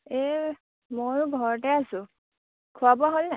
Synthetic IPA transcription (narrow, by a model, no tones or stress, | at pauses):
e | moɹuɡʱɔɹɔtɛasʊ̃ | kʰuabaɦolna